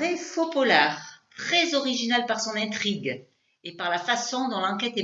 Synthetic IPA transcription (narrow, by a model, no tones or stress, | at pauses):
ʁefopɔlaʁt̪χɛzɔʁiʒinalpaʁsɔ̃nɛ̃t̪χiɡ | epaʁlafasɔ̃d̪ɔ̃lɑ̃kɛt̪ɛ